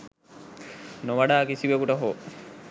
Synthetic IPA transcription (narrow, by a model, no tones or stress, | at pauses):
noʋaɖaːkisibekuʈɐɦo